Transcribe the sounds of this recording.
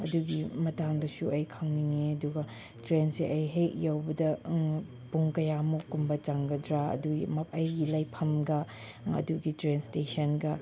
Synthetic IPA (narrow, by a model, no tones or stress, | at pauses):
ɐ̰duɡimɐtaŋdɐsuɐjkʰɐŋniŋeɐduɡɐ | tɾensiʔɐjɦejʔjawbɐdɐ | puŋkɐjamukumbɐt͡ʃaŋɡɐdɾaɐ̰duḭmɐp̚ɐjɡilajpʰɐmɡɐ | ɐ̰duɡitɾenstesɐnɡɐ